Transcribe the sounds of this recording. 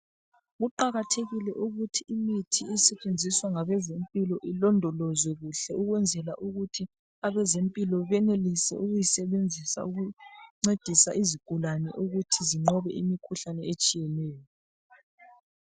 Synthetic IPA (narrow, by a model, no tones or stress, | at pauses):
ɣuǃaɣatʰeɣilɛʔuɣutʰiimitʰiisɛt͡ʃʼend͡zʱiswaŋaβɛzempʼilɔʔilɔndʱɔlɔzwɛɣuɬɛuɣwɛnd͡zʱɛlaʔuɣutʰi | aβɛzempʼilɔβɛnelisɛ̰ʔuɣujisɛβend͡zʱisa̰uɣuŋ͡ǀed̥ʱisaʔiziɡ̥ʱulanɛ̰ʔuɣutʰiziŋ͡ǃɔβɛʔḭmikʰuɬanɛet͡ʃʼijɛlɛːjɔ